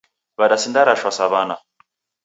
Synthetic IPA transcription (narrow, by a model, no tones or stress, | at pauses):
badasindaɾaʃwasaβana